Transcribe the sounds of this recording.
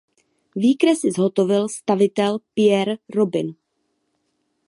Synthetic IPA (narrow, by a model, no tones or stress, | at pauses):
viːkɾɛsɪzɦo̞t̪o̞vɪlst̪avɪt̪ɛlpɪjɛɾɾobɪn